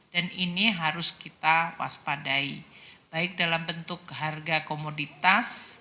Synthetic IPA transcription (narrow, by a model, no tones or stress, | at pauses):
d̥aniniɦaɾʊskit̪awa̰spadaib̥aɪk̚dalambənt̪ʊkɦarɡakomodit̪as